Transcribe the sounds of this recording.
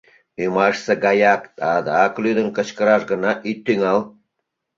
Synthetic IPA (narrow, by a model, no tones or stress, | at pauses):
ymɑʃsə̆ɡɑjɑkt̪ɑd̪ɑklyd̪ə̆nkə̆t͡ɕkə̆ɾɑʃɡə̆nɑʔit̪ːyŋɑlˠ